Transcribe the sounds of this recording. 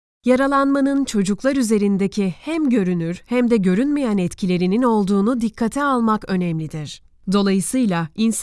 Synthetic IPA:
jaɾalˠanmanɯnt͡ʃʰo̞d͡ʒuklˠaɾyze̞ɾind̪ecʰihæmɟø̞ɾynyɾhæmd̪ɛɟø̞ɾynmijænɛt̪cʰilʲe̞ɾinino̞lˠd̪uːnud̪ikʰːat̪ʰɛalˠmakø̞nɛmlʲid̪iɾ̥ | d̪o̞lˠajɯsɯjlˠains

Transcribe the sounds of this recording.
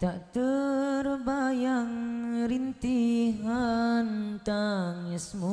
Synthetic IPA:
t̪aʔt̪ərbajaŋɾint̪iɦant̪aŋɪsmu

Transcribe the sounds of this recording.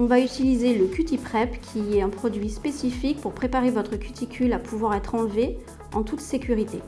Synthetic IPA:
ɔ̃vayt̪ilizeləkʲyt̪ipχɛpkʲʰiɛɛ̃pχɔd̪ɥispesifik̚puʁpχepaʁevɔt̪χəkʲyt̪ʰikʲylapʰuvwaʁɛt̪χɑ̃lve | ɑ̃t̪ut̪sekʲyʁit̪e

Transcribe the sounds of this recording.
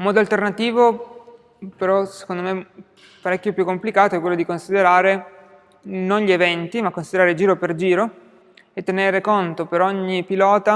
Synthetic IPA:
mːɔːd̪oalt̪ernat̪iːvo | peɾɔse̥kond̪ome | paɾɛkːjopjukːomplikaːt̪oɛkːwelːod̪ikonsid̪eɾaːɾe | nonʎievɛnt̪imakːonsid̪eɾaːɾed͡ʒiːɾoperd͡ʒiːɾo | et̪ːeneːɾekont̪opeɾoɲːipilɔːt̪a

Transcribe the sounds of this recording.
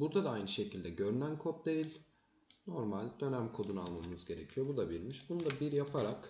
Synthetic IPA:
buɾd̪ad̪aajnɯʃe̞cʰilʲd̪ɛɟø̞ɾynænkʰot̪̚d̪e̞jilʲ | no̞ɾmalʲd̪ø̞næmkʰo̞d̪unalˠmamɯnɯzɟe̞ɾecʰijo̞bud̪abiɾmiʃbunud̪abiɾjapʰaɾak

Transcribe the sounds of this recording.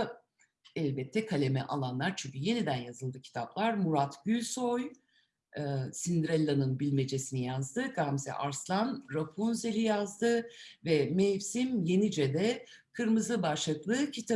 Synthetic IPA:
ɛlʲbɛt̪ʰːɛkʰalʲe̞mɛ̰ʔalˠanlˠaɾt͡ʃʰyɲʲcʰyje̞nid̪ænjazɯlˠd̪ɯcʰi̥t̪ʰaplˠaɾmuɾat̪ɟylʲsoj | ɯsind̪ɾɛlʲːanɯnbilʲme̞d͡ʒe̞sinijazd̪ɯɡamzɛ̰ʔaɾslˠanɾapʰunzeɾijazd̪ɯvɛmejfsimje̞nid͡ʒɛd̪ɛkʰɯɾmɯzɯbaʃlˠɯklˠɯːcʰit̪ʰa

